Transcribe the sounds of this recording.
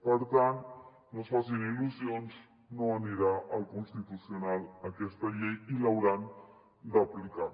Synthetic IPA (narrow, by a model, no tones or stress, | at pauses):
pəɾt̪ant̪ | nosfasiniluzionz | noaniɾaʔəlˠkunst̪it̪usionalakɛst̪aʎejilawɾan | d̪aplika